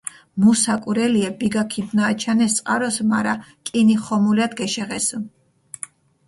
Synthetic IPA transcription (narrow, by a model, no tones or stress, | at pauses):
musakʼuɾɛliɛbiɡakʰibnaːt͡ʃʰanɛst̪sʼqʼa̰ɾɔsmaɾakʼiniχɔmulad̪ɡɛʃɛʁɛsu